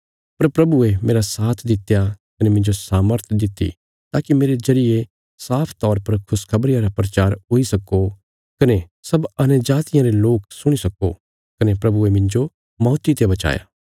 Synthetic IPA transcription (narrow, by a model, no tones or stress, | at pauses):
pɐɾpɾɐbuemeːɾasaːt̪ʰd̪ɪt̪ːjakɐnemɪ̃ɲd͡ʒosaːməɾt̪ʰd̪ɪt̪ːḭ | t̪aːkimeːɾezɐɾɪje | saːpʰt̪ɔːɾpɐɾkʰʊskʰɐbɾɪjãɾapɾɐt͡ʃaːɾɦoːisɐkːo | kɐne | sɐbɐnəd͡ʒaːt̪ɪjãɾeloːksʊɽ̃isɐko̰ | kɐnepɾɐbuemɪ̃ɲd͡ʒo | mɔːt̪it̪ebɐt͡ʃa̰ːja̰